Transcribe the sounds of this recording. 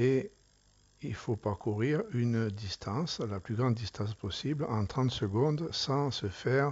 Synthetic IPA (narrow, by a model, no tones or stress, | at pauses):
e | ilfopakuʁiʁynd̪ist̪ʰɑ̃slaplyɡʁɑ̃nd̪d̪ist̪ɑ̃spɔsiblɑ̃t̪χɑ̃t̪səɡɔ̃d̪sɑ̃səfɛʁ